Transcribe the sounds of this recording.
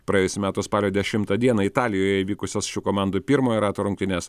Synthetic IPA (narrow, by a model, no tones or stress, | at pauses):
pɾɐjeːjʊsʲʊmʲæːt̪ʊspɑːlʲoːd̪ʲɛʃʲɪmt̪ɐd̪ʲiɛnɐɪt̪ɑːlʲɪjoːjɛiʋʲiːkʊsʲosʃʲuːkoːmɑˑnd̪upʲɪɾmoːjɛɾɑːt̪oːɾʊŋkt̪ʲɪnʲeːs